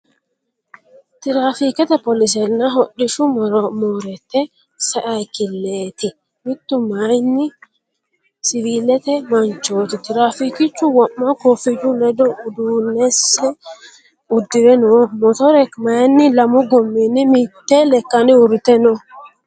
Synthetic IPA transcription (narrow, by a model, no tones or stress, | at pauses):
t̪ɪɾaːfikɛt̪ɛpɔlɪs̬ɛnːɐɦɔᶑːɪʃʊmɔɾɔmoːɾɛt̪ːɛ | sɐʔɐjkɪlːeːt̪ɪ | mɪt̪ːʊmajnːɪ | sɪviːlɛt̪ɛmɐnt͡ʃːoːt̪ɪt̪ɪɾaːfikɪt͡ʃːʊwɔmːɐkofɪd͡ʒʊlɛd̪ɔʊd̪uːnːɛsɛ | ʊd̪ːɪɾɛnɔmɔt̪ɔɾɛkmajnːɪlɐmʊɡɔmːinːɪmɪt̪ːɛlɛkːɐnɪʊɾɪt̪ɛnɔ